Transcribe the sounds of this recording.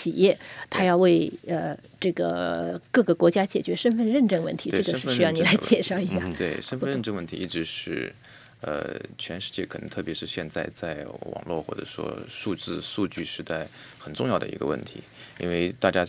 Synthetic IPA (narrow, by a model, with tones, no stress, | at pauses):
t͡ɕʰi˨˩jɛ˥˩t̪ʰa˥jɑ˥˧ʊwe˥˧ɪə˧ | ʈ͡ʂɤ˥˩ɡə̰˩kɤ˥˩ɡə˩kwɔ˧˥t͡ɕja˥t͡ɕjɛ˨˩t͡ɕɥɛ˧˥ʂə˥nfə˥˧nɻə˥˧nʈ͡ʂɤ˥˧ŋwə˥˩nt̪ʰi˧˥ʈ͡ʂɤ˥˩ɡəʂɻ̩˥ə˧˥jɑ˥˩ʊni˨˩la˧˥ɪ˩t͡ɕjɛ˥˩ʂɑ˥˩ʊi˧˥ɕja˥˩t̪we˥˩ɪʂə˥nfə˥˧ɻə˧˥˧nʈ͡ʂɤ˥˧ŋwə˥˩nt̪ʰi˧˥i˥˩ʈ͡ʂɻ̩˧˥ʂɻ̩˥˩ | ə̰˧t͡ɕʰɥɛ˧˥nʂɻ̩˥˧t͡ɕjɛ˥˩kʰɤ˨˩nɤ˧˥ŋt̪ʰɤ˥˩pjɛ˧˥ʂɻ̩˥˧ɕjɛ˥˧nt͡sa˥˧ɪt͡sa˥˩ɪwɑ̰˨˩ŋlwɔ̰˥˧xwɔ̰˥˩ʈ͡ʂɤ̰˨˩ʂwɔ̰˥ʂu˥˧t͡sɹ̩˥˧ʂu˥˧t͡ɕy˥˩ʂɻ̩˧˥t̪a˥˩ɪ | xə˨˩nʈ͡ʂʊ˥˧ŋjɑ˥˩ʊd̪ə̰˩ḭ˧˥ɡə̰˧wə̰˥˩nt̪ʰḭ˧˥ḭ˥nwe˥˧˩ɪt̪a˥˩t͡ɕja˥